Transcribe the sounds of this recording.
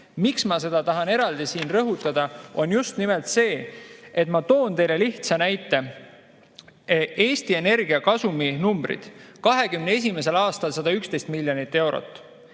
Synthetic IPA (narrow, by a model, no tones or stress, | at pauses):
miksmɑse̞d̪̥ɑt̪ɑɦɑne̞ɾɑld̪isiːnrɤɦut̪ːˑɑd̪̥ɑo̞njust̪nimelt̪se̞ːet̪ˑmɑt̪o̞ːnt̪e̞jle̞liht̪sɑnæjt̪ːˑe̞ | e̞ːst̪ie̞ne̞rɡ̥iɑkɑsuminumbrḭd̪̥kɑɦe̞kymnees̬ime̞s̬e̞lɑːst̪ɑlsɑd̪̥ɑykst̪e̞jst̪milʲːjonit̪ːe̞wɾo̞̰t̪ˑː